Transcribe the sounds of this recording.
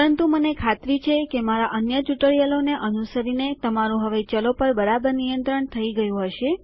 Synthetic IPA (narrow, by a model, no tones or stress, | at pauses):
ɾənt̪umənekʰat̪ɾit͡ʃʰekemaɾaʔənjət͡ʃuʈəɭjəloneʔənusəɾinet̪əmaɾũɦəʋet͡ʃəlopəɾbəɾabəɾnijənt̪ɾəɳt̪ʰəiɡəjũɦəʃe